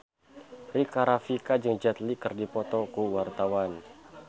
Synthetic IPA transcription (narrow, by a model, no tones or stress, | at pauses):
rikaɾafikad͡ʒɨŋd͡ʒat̪likɨrdipɔt̪ɔkuwart̪awan